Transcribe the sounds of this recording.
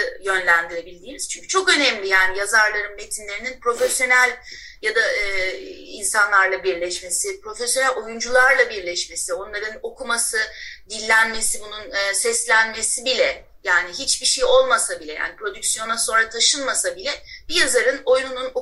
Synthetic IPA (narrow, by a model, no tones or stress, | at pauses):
jø̞nlʲænd̪iɾe̞bilʲd̪iːniz̥t͡ʃʰyɲcʰyt͡ʃʰo̞kø̞nɛmlʲijaːnijazaɾlˠaɾɯnme̞t̪ʰinlʲe̞ɾininpɾo̞fesjo̞nælʲ | jad̪aː | ḭnsanlˠaɾlˠabiɾlʲɛʃme̞sipɾo̞fesjo̞nælʲo̞jund͡ʒulˠaɾlˠabiɾlʲɛʃme̞sio̞nlˠaɾɯno̞kʰumasɯd̪ilʲːænme̞sibununːsɛslʲænme̞sibilʲɛ | jaːniɦit͡ʃbiʃejo̞lˠmasabilʲɛja̰ːnipʰɾo̞d̪yksjo̞naso̞nɾat̪ʰaʃɯnmasabilʲɛb̥ijazaɾɯno̞jnununo